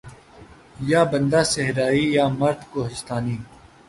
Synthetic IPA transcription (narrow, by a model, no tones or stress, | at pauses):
jaːbɐ̃nd̪aːseɦɾaːiːjaːmɐɾd̪koːɦɪst̪aːniː